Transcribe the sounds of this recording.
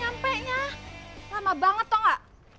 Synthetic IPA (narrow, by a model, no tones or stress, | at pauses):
ampɛʔɲalamabaŋət̪ːɔŋaʔ